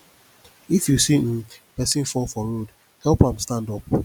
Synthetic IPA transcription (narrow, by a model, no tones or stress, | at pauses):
ifjusin̩pɛsĩnfɔlfɔɾod | hɛlpãmstãndɔp̚